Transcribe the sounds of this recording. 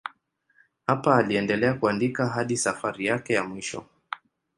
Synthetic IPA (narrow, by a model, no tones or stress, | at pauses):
hapaːliɛndɛlɛakuandikaɦaɗisafaɾijakɛjamwiʃɔ̰